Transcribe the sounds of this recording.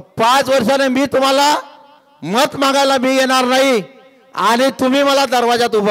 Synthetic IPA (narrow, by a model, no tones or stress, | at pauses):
pãt͡sʋəɾʂanemiːt̪um̤ala | mət̪mãŋɡajlamiːɡeɽ̃aɾnaɦi | aɽ̃it̪um̤iːməlad̪əɾʋad͡zat̪̬ub